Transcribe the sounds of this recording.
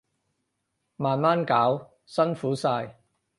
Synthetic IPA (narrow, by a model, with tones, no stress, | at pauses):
maː˨˩nmaː˥nkaː˨˥w | sɐ˥nfuː˨˥saː˧j